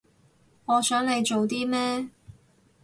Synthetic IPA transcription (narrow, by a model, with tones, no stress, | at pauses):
ŋɔː˨˧sœː˨˥ŋle˨˧jt͡ʃo˨wt̪iː˥mɛː˥